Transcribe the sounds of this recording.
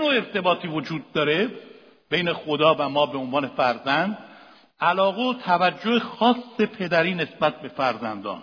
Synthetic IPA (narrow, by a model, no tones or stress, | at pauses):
jnoːe̞ɾt̪ʰe̞bɒːt̪ʰiːvod͡ʒuːd̪̚ːɒːɾe | b̥e̞jne̞xo̞d̪ɒːvæmɒːbe̞onvɒːne̞fæɾzænd̪ | ælɒːɣeot̪ʰævæd͡ʒːoexɒːsːe̞pʰe̞d̪æɾiːne̞sbæt̪̚be̞fæɾzænd̪ɒ̰ːn